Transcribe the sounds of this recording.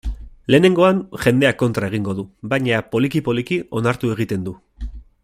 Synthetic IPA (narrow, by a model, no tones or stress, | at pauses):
le̞ːne̞ŋɡo̞anʝe̞nd̪e̞ako̞nt̪ɾae̞ɣ̞iŋɡo̞ðubajɲapo̞likipo̞likio̞naɾt̪ue̞ɣ̞it̪e̞nd̪u